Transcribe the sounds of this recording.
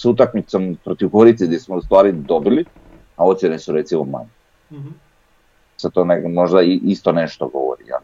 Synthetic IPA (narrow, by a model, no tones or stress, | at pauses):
sut̪̬akmit̪sompɾot̪iʋɡoɾit̪sid̪esmoust̪vaːɾid̪obili | aot̪t͡ʃ̪inɛsuɾet̪simoma̰ɲe | set̪oːnemoʒd̪aiʔist̪oneʃt̪oɡo̰ʋo̰ɾḭja̰li